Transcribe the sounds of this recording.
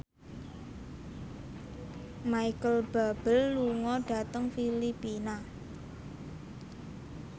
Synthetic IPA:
maikəlb̥a̤b̥əlːuŋɔɖ̥ä̤t̪əŋfilipina

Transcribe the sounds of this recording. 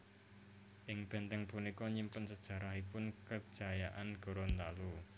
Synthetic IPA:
ʔɪŋb̥ɛ̤nt̪ɛŋpunikɔɲimpənsəd̥ʒ̥ä̤ɾaɦipʊnkə̥ʒ̥a̤jaʔanɡ̥o̤ɾont̪alu

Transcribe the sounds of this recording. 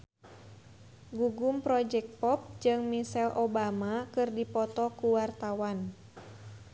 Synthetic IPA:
ɡuɡumpɾɔd͡ʒɛk̚t̪̚pɔp̚d͡ʒɨŋmisɛlʔobamakɨrdipɔt̪ɔkuwart̪awan

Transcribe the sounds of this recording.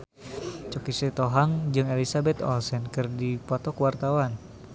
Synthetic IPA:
t͡ʃɔkisɛt̪oɦaŋd͡ʒɨŋelisabɛt̪ɔ̰lsɛnkɨrdipɔt̪ɔkwart̪awan

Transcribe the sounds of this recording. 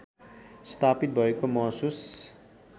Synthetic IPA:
st̪ʰapit̪̚bʱʌekomʌɦsus

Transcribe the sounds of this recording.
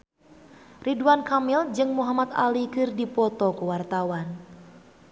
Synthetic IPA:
riduankamild͡ʒɨŋmuɦamat̪a̰likɨrdipɔt̪ɔkəwart̪awan

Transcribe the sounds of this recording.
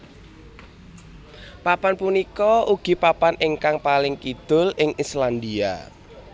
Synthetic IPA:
papanpunikɔuɡ̥i̤papanɪŋkaŋpalɪŋkid̪̥ʊ̤lɪŋisland̪ia̰

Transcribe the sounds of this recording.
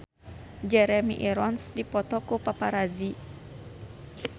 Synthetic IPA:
d͡ʒɛɾɛmḭʔɛɾɔnsdipɔt̪ɔkupapaɾazi

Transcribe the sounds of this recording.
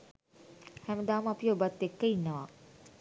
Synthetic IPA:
hæməd̪aːməapiobat̪ːekːəinːəʋa

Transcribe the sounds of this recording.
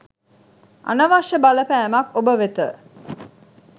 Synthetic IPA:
ʔɐ̰nɐʋaʂəbɐlɐpæːmɐkobəʋet̪ə

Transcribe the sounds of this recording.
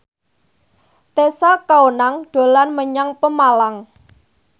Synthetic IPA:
t̪esakaonaŋɖ̪̥o̤lanməɲaŋpəmalaŋ

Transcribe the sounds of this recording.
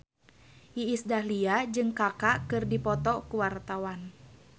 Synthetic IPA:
ʔiːsdahliad͡ʒɨŋkakaʔkɨrdipɔt̪ɔkuwart̪awan

